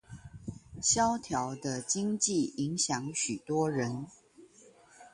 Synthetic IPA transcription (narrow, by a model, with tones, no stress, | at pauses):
ɕjɑ˦ʊt̪ʰjɑ˨˦ʊd̪ə˧t͡ɕi˦ŋt͡ɕi˥˨i˨˦ŋɕjɑ˨˦ŋɕy˨˩t̪wɔ˦ɻə˨˦n